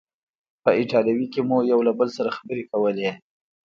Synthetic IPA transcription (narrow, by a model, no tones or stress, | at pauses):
pəɪʈɑljawikemujawlabəlsaɾaxabəɾekawəle